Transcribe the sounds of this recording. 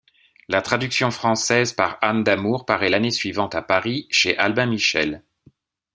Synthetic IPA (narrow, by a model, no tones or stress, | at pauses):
lat̪χad̪yksjɔ̃fχɑ̃sɛzpaʁand̪amuʁpaʁɛlanesɥivɑ̃t̪apaʁiʃeʔalbɛ̃miʃɛl